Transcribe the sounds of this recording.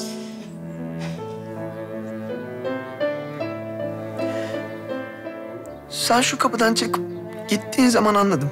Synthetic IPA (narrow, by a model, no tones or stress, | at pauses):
sænʃukʰapɯd̪ant͡ʃʰakɯp̚ | ɟ̥it̪ːiːnzamananlˠad̪ɯm